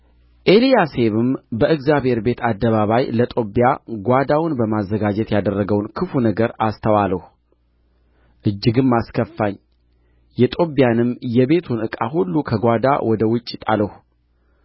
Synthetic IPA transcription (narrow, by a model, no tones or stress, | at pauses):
ʔe̞lijase̞βɨmbəʔɨɡzjaβhe̞ɾbe̞t̪ʰad̪ːəβaβajlət̪ʼo̞bjaɡʷad̪awʊnbəmazːəɡad͡ʒɛt̪jad̪ərːəɡəwnkʰɨfunəɡəɾast̪ʰəwaləh | ʔɨd͡ʒːɨɡɨmːaskʰəfːaɲː | jɛt̪ʼo̞bijanɨmjɛβe̞t̪ʰunɨkʼa̰ɦulːukʰəɡʷad̪a̰wɔd̪əwʊt͡ʃʼːɪt̪ʼaləhu